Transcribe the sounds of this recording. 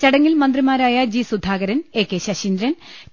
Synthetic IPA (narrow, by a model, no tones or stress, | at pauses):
t͡ɕɐɽɐŋːilmɐnd̪rimaːɾaːjɐd͡ʑiːsud̪ʱaːɣɐɾɐne̞ːkːeːɕɐɕind̪ɾɐn